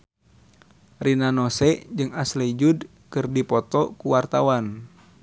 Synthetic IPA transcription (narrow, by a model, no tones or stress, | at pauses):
rinanɔsɛd͡ʒɨŋasled͡ʒud | kɨrdipɔt̪ɔkuwart̪awan